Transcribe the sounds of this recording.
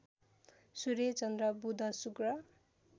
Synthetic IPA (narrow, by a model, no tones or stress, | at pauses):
suɾet͡sʌnd̪rʌbud̪ʱʌsukrʌ